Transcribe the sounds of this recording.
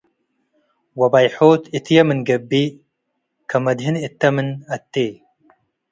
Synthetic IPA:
wɐbajħoːt̪it̪jɐmɨnɡɐbːi | kʰɐmɐd̪ɦinɪt̪ːɐmɨnɐt̪ːeː

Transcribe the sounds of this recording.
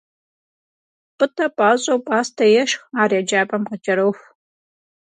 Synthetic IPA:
pɨtʰɐpʼaːɕʼowpʼaːstʰɐjɛʃxaːraːd͡ʒaːbʼɐmqət͡ʃʼɐɾɐwx

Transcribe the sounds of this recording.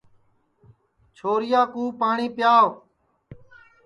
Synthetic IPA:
t͡ʃʰoːɾɪjaːkuːpaːɳiːpjaːʋ

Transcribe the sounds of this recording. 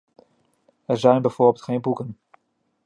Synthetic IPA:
ɛɹzɛjnbɛjv̥oːbɪlˠtχejnbukən

